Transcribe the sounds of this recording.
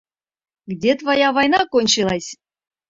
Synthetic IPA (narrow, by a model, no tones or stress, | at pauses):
ɡdʲet̪vɑjavɑjnɑkonʲt͡ɕilˠɑsʲ